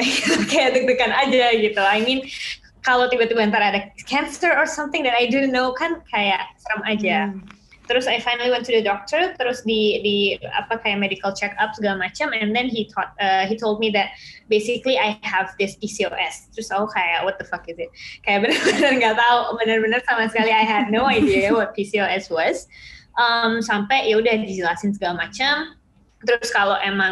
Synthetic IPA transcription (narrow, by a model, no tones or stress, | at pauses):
aɡit̪ʊkajaʔdək̚dəkanad͡ʒaɡit̪uajmĩn | kalawt̪ibat̪ibaant̪aɾadakʰɛ̃nsəɹɔsʌ̃mθɪ̃ŋdɛt̪ajdõnːowkankʰajaʔt̪əɾəmʔad͡ʒa | t̪əɾʊsajfajnəliwɛ̃ntʰːudədɔk̚t̪əɾt̪əɾʊsdidia̰pakajaʔmedikəlt͡ʃɛkapsəɡalamat͡ʃamɛ̃ndɛ̃nɦit̪ʰɔt̪̚əɦitʰolˠd̚miðɛt̚besɪkliʔajhɛvdɪspisio̰ʔɛst̪əɾʊsaukaja̰ʔwɔt̪̚d̪əfakɪzɪt̚kajaʔbənərbənərŋɡat̪aubənərbənərsamasə̥kaliajɦɛd̚ⁿnoajdiawɔt̪̚pisioɛswɔzʔəmsampɛjjaudahdid͡ʒəlasɪns̬əɡalamat͡ʃam | t̪əɾskalowʔemãŋ